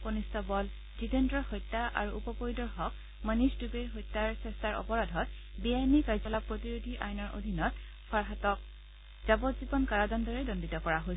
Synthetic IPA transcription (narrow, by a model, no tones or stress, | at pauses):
konistɔbɔl | titentɹɔxɔjtːaʔa̰ɹuːpɔpojdɔɹxɔk | manisdubeɦɔjtːaɹsɛstaɹɔ̰pɔɹadʱɔt̚ | bijanikaɹzɔlapɹotiɹodʱiʔajnɔɹʔo̰dʱinɔt | pʰaɹɦatɔk̚ | z̥abɔtzibɔnkaɹadɔndɔɹɛdɔnditɔkɔɹaɦo